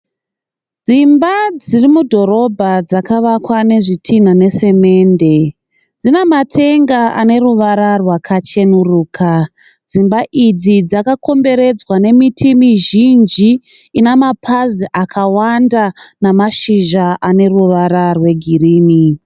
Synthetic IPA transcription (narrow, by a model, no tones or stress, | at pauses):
d͡zimbad͡zirimudʱo̞ɾo̞bʱad͡zakaʋakwane̞ʐitʰin̤ane̞se̞me̞nde̞ | d͡zinematʰe̞ŋɡaʔa̰ne̞ruʋaɾarwakʰat͡ʃe̞nuruːkʰa | d͡zimbaʔid͡zid͡zakakʰo̞mbe̞ɾe̞d͡zwane̞mitʰimiʒind͡ʒiːnemapʰaziʔakʰawandanamaʃiʒaʔane̞ruʋaɾarwe̞ɡʱiriːni